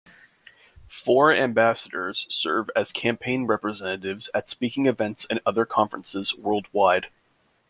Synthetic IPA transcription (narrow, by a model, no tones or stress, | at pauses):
fɔɹæ̃mbæsəɾə˞z̥sɜ̰˞vɨz̥kʰæ̃mpʰẽɪ̃nɹɛpɹɨzɛnɨɾɪvzɨtspikɪ̃ŋɨvɛ̃ntsɨ̃nʌðə˞kʰɑ̃ɱfɹə̰̃nsɨz̥wɜ˞lˠd̚waɪd̥